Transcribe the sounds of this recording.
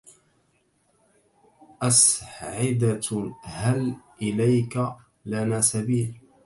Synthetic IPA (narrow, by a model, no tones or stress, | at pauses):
ʔasʕɪd̪ahalʔɪlajka | lanaːsabiːl